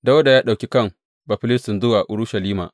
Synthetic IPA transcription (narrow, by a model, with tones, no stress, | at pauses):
da˦wɐ˦da˨jaː˦ɗa˨wkʲi˦kɐ˦˨ŋ | ba˨ɸɪ˦lɪ˦stɪ˨nzʊ˦waː˨ʔʊ˨ɾʊ˦ʃɐ˨liː˦ma̰ː˨